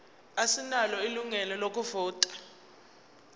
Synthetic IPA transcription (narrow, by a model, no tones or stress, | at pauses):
asinalɔiluŋɛlɔlok̬ʼuvɔːtʼḁ